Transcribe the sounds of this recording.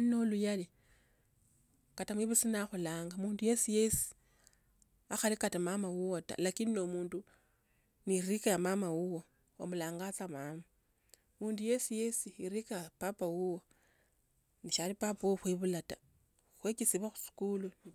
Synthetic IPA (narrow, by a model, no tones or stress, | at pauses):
no̞lujali | katamwiβusinaxulaːŋɡamuːnduje̞sije̞si̥ | axalikatamamawuwota̰lakinino̞muːndu | nirikajamamawuwo | o̰mulaːŋɡat͡samama | muːnduje̞sije̞siiɾikaapapawuwo | niʃalipapauxweβulatḁ | xwekisiβaxu̥si̥kulu